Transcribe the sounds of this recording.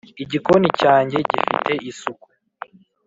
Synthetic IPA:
iɟikonicaːɲɟe̞ɟḭfḭte̞ʔisuku

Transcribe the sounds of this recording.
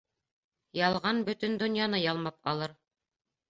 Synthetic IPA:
jɑlˠʁɑnbɵ̆t̪ɵnd̪ŏnjɑnɤjɑlˠmɑpɑlˠɤɾ

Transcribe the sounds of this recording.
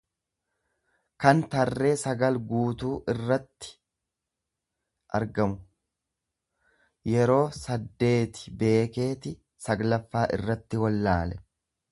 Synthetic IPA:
kɐnt̪ɐrːe̞ːsɐɡɐlɡuːt̪uːʔɪrːɐt̪ːɪ̥ | ʔɐɾɡɐmʊ | jɛɾo̞ːsɐd̪ːe̞ːt̪ɪ̥be̞ːke̞ːt̪ɪ | sɐɡlɐfːaːʔɪ̰rːɐt̪ːɪwɐlːaːlɛ

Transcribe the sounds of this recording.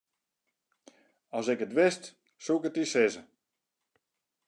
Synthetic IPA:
ɔsɪkətʋɪst | sukətisɪzə

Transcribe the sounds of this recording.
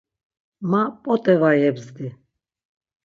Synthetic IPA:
mapʼɔt̪ʼɛvajɛbzd̪i

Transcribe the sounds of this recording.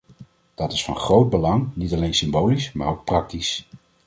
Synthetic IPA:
d̥ɑtɪsfɑ̰nχrowd̚bəlɑŋnitɑlejnsɪmbowlisma̰ːɹowk̚prɑk̚tis

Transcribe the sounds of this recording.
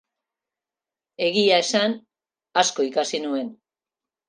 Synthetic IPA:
e̞ɣiae̞san | asko̞ikasinue̞n

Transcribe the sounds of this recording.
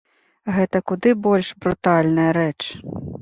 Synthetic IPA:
ɣɛt̪ɐkud̪ɨbɔlʲʂbɾut̪alʲnɐjɐɾɛt͡ʂ

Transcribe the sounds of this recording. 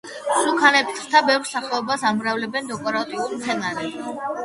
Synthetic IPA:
sukʰanɛpt̪ʰʼɾt̪ʰabɛvɾsaχɛɔbasamɾavlɛbɛnd̪ɔkʼɔɾat̪ʼiulmt̪sʰɛnaɾɛ

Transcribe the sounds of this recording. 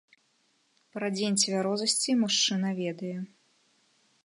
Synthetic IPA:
pɾɐd͡zʲenʲt͡sʲvʲaɾɔzɐsʲt͡sʲimuʂt͡ʂɨnɐvʲɛd̪ɐjɛ

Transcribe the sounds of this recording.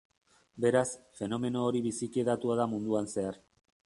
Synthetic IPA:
be̞ɾasfe̞no̞me̞no̞ːɾiβisikeðat̪uaðamund̪uanse̞aɾ

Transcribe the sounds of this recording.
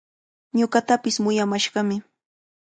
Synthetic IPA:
ɲʊɢɑt̪apɪsmʊjamaʃɢɑmɪ

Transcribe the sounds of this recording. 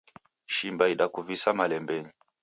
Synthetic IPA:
ʃimbaiɗakuvisamalɛmbɛɲi

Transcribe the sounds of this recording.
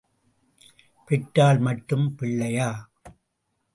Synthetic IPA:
pɪʈːaːlmɐʈːɯmpɪɭːɐjaː

